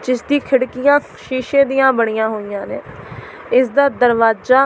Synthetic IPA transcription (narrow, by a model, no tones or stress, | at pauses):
d͡ʒɪsd̪iːkʰɪɽkɪjãː | ʃiːʃẽːd̪ɪjãːbəɽ̃ijãːɦoːijãːnẽː | ɪsd̪aːd̪əɾʋaːzd͡ʒaː